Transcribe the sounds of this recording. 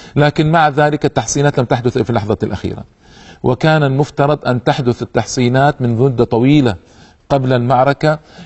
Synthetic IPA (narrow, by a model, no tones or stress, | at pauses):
laːkɪnmaʕðaːlɪkat̪ːɑħsˤiːnaːt̪lamt̪aħd̪ʊθfilɑħðˤɑlʔa̰xḭːɾa̰ | wʔɪ̰kaːnalmʊft̪ɑɾˤɑd̪ˤʔant̪aħd̪ʊθat̪ːɑħsˤiːnaːt̪mɪnðʊd̪at̪ˤɑwiːla | qablalmɑʕɾˤɑka